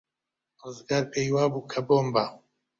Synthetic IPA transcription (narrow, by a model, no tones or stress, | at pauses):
rɨzɡaːɾpʰejwaːbuːkʰɐboːmba